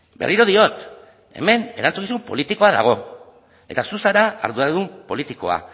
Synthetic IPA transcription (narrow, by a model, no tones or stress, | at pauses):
be̞rʔiɾo̞ð̞io̞t̪ | e̞̰me̞ne̞ɾant͡sukisumpo̞̰lit̪iko̞aða̰ɣ̞o̞ | e̞t̪asusaɾaa̰ɾðuaɾðumpo̞lit̪iko̞a̰